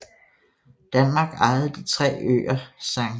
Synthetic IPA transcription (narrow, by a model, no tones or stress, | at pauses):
d̥ænmɑ̈ːɡ̥ɑ̈ɪð̩ˠd̥it͡sʰʁɛ̰ːø̰ːɐsɑ̈ŋ